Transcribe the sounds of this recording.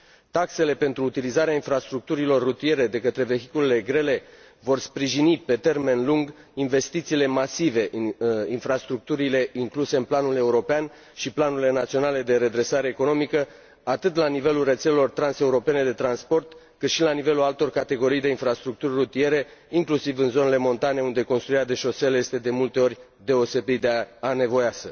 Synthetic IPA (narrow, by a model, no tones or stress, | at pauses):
t̪akse̞le̞pe̞nt̪ɾuːt̪ilizaɾeainfɾast̪ɾuk̚t̪uɾilo̞rːut̪ie̞ɾe̞d̪e̞kət̪ɾe̞ve̞çi̥kule̞le̞ɡɾe̞le̞ | vo̞rspɾiʒinipe̞t̪e̞rme̞nluŋɡ | inve̞st̪it̪siːle̞masive̞ʔinfɾast̪ɾuk̚t̪uɾile̞ʔiŋkluse̞ɨnplanule̞uɾo̞pean | ʃiplanuɾile̞nat̪sio̞nale̞d̪e̞ɾe̞d̪ɾe̞saɾeːko̞no̞mikə | at̪ɨt̪lanive̞lulre̞t̪se̞le̞lo̞rt̪ɾanse̞uɾo̞pe̞ne̞d̪e̞t̪ɾanspo̞rt̪ | kɨt̪ʃilanive̞lualt̪o̞rkat̪e̞ɡo̞ɾijd̪e̞infɾast̪ɾuk̚t̪urʲːut̪ie̞ɾe̞iŋklusivɨnzo̞ne̞le̞mo̞nt̪ane̞und̪e̞ko̞nst̪ɾuiad̪e̞ʃo̞se̞lje̞st̪e̞d̪e̞mult̪e̞o̞rʲ | d̪e̞o̞se̞bitd̪eane̞vo̞jasə